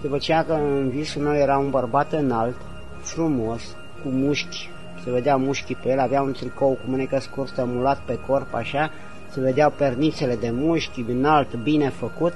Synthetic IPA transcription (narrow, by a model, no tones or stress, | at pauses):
d̪upət͡ʃejakəɨnvisulme̞wje̞ɾaunbərbat̪ɨnalt̪ | fɾumo̞s | kumuʃkʲ | se̞ve̞d̪eawmuʃkʲipejelʲaveaunt̪ɾikowkumɨnekəskurst̪əmulat̪̚pe̞korpa̰ʃa | se̞ve̞d̪eawpernit̪se̞le̞d̪e̞muʃkʲiɨnalt̪bine̞fəkut̪